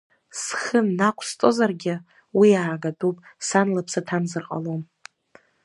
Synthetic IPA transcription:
sχənːakʷʰstʼozarɡʲɪ | wiaːɡatʼupʼsanlapʰsatʰamzɨrqʼa̰lom

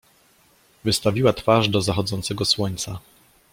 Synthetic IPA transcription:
vɘst̪avʲiwat̪faʐd̪ɔzaxɔd̪zɔnt̪sɛɡɔswɔɲt̪sa

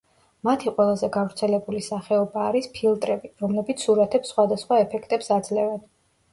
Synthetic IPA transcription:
mat̪ʰiqʼwɛlˠazɛɡavɾt̪sʰɛlɛbulisaχɛɔbaːɾispʰilˠt̪ʼɾɛbiɾɔmlɛbit̪sʰuɾat̪ʰɛpsːχwad̪asχwaɛpʰɛkʰt̪ʼɛpsad̪zlɛvɛn

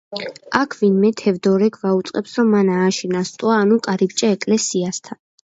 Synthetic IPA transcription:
akʰvinmɛt̪ʰɛvd̪ɔɾɛkʰvaut̪sʼqʼɛpsɾɔmːanaːʃinast̪ʼwaːnukʼaɾibt͡ʃʼaɛkʼlɛsiast̪ʰan

